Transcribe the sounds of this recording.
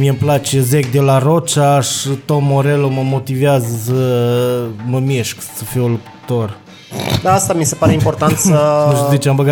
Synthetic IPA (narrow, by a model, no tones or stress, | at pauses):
miemplat͡ʃezek̚d̪elaɾo̞t͡ʃaʃit̪o̞mːoɾeloməmo̞t̪iveazəsə | məmeʃksəfiolup̪ | t̪o̞r | d̪aast̪amise̞paɾeimpo̞rt̪ant̪səʃzit͡ʃambəɡa